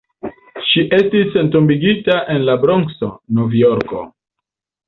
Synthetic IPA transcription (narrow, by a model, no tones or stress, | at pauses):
ʃiʔe̞stisentumbiɡitaʔe̞nlabɾoŋso̰novjoɾko̞̰